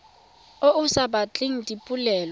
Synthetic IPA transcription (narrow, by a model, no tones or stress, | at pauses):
oʔusaɓat͡ɬʼiŋ̩tʼipʼulɛːl